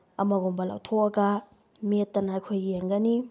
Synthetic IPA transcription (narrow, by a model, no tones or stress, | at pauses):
ɐmɐɡombɐla̰wtʰoɐɡɐ | metːɐnaɐjkʰojeŋɡɐni